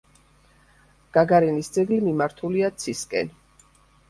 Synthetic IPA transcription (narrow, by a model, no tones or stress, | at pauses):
ɡ̥aɡaɾɛnisd̪zɛɡlimimaɾt̪ʰuliat̪sʰiskʼɛ̰n